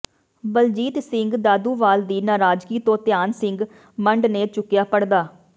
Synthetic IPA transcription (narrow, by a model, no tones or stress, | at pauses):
bəld͡ʒiːt̪sɪŋɡd̪aːd̪uːʋaːld̪iːnaːɾaːd͡ʒkiːt̪õːt̪ɪjaːnsɪŋɡ | məɳɖneːt͡ʃʊkːɪjaːpəɽd̪aː